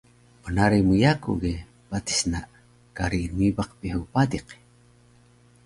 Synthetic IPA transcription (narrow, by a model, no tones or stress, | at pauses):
onaɾimujakṵɡe | pat̪i̥snaʔ | kaɾinibaq̚piɦupadiq